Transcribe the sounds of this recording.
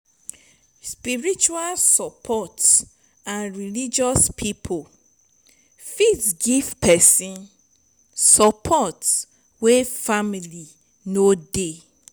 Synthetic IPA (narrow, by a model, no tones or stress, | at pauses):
spiɹit͡ʃualsɔpʰɔts | ãnɹilid͡ʒɔspʰipʰol | fitɡivpʰɛsĩn | sɔpʰɔts | wefamili | node